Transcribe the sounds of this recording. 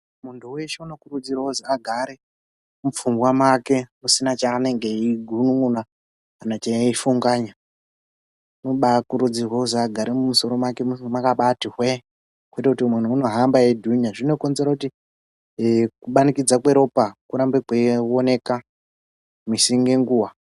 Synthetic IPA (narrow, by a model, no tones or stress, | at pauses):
muntʰuweʃeuno̞kurud͡zirauziaɡʱaɾe | mufuŋɡwamwake̞musinat͡ʃaːne̞ŋɡe̞iɡʱunuŋuna | anat͡ʃaaifuŋɡaːɲa | unoɓakuɾud͡zirwauziaɡʱaɾemumuso̞ɾo̞mwake̞mumakaɓatiɦwe | kwuitakutimwan̤uuno̞ɦambajedʱunaʐino̞konzeɾakuti | kuɓanikid͡zakwe̞ɾo̞pakuɾambekwewone̞ka | misiŋɡe̞ŋɡuːwa